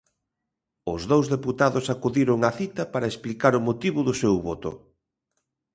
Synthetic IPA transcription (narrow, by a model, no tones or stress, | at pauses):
ʊzðowzðeput̪aðʊsakuðiɾʊŋɐθit̪ɐpaɾɐesplikaɾʊmot̪iβʊðʊsewβot̪ʊ̰